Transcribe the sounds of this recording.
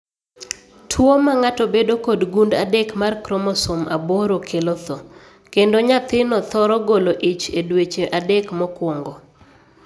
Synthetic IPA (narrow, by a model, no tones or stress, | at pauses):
tʰwomaŋatɔbedokodɡundadɛkmarkɾɔmɔsomaboɾokʰelot̪o | kendoɲat̪ɪnɔt̪ɔɾɔɡoloʔit͡ʃedwet͡ʃeʔadɛkmɔkwoŋɡo